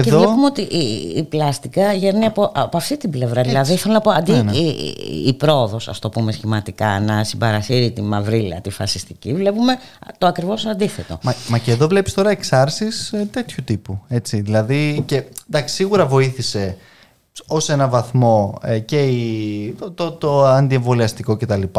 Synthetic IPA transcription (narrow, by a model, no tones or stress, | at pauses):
eceðovlepumeot̪iʔiːplɐst̪ikɐʝeniɐpoʔɐpoɐft̪it̪ible̞vɾɐðilɐðiiθelonɐpo̞ɐnd̪ḭː | pɾo̞ːðo̞sɐ̰st̪o̞pumesçimɐt̪ikɐnɐsibɐɾɐsiɾit̪imɐvɾilɐ̰t̪ifɐ̰sist̪icivle̞pume̞ | t̪oɐkɾivo̞sɐnd̪iθe̞t̪o̞̰ɐmɐceðo̞vle̞pi̥st̪o̞ɾɐeksɐɾsist̪e̞t̪çut̪ipue̞t͡siðilɐðicend̪ɐksi̥siɣuɾɐvo̞iθise̞ | o̞se̞nɐvɐθmo̞ce̞it̪ot̪ot̪oɐnd̪ie̞ɱvo̞liɐst̪iko̞ce̞t̪ɐlipɐ